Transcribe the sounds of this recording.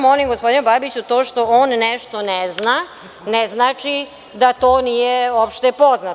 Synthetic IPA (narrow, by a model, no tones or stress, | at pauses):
molimɡospo̞d̪inubabit͡ɕut̪oːʃt̪o̞oːnːeʃt̪o̞nezna | neznaːt͡ʃi | d̪at̪oːnijeopʃt̪epo̞zna